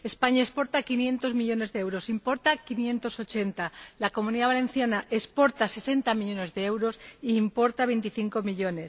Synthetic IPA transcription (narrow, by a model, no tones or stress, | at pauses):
e̞spaɲaespo̞ɾt̪akinjẽ̞nt̪o̞zmiʎo̞ne̞zðeewɾo̞simpo̞ɾt̪akinjẽ̞nt̪o̞so̞t͡ʃe̞nt̪alako̞mũniðaβalẽ̞n̟θjanaʔespo̞ɾt̪ase̞se̞nt̪amiʎo̞ne̞zðe̞e̞wɾo̞siːmpo̞ɾt̪aβe̞jnt̪iθiŋko̞miʎo̞ne̞s